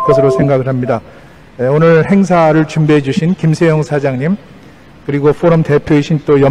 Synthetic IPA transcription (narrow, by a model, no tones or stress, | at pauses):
kʌsʰɯɾosʰe̞ŋɡaɡɯɭhamɲida | eonɯɭhe̞ŋs̬ʰaɾɯɭt͡ɕumbiɦed͡ʑuɕʰinkimsʰejʌŋsʰad͡ʑaŋɲim | kɯɾiɡofʰoɾomte̞pʰjoiɕʰint͈ojʌ